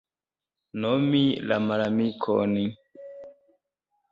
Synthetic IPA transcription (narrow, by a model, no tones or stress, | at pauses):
nomila̰malamikʰɔ̰ni